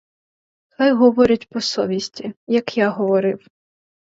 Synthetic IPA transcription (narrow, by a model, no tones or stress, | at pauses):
k̪ajɦɔʋɔɾʲɐtʲpɔsɔʋʲisʲtʲijɐkjaɦɔʋɔɾɪw